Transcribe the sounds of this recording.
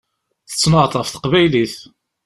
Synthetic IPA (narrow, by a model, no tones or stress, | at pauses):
θə̥t͡sːnəʁt̪ˤɑfθə̥qvæjliθ